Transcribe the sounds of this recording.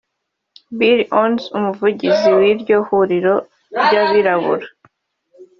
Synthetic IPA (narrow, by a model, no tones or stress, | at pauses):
biɾonsumuvuɟiziwiɾɟo̞huɾiɾo̞ | ɾɟaβiɾaβṵɾa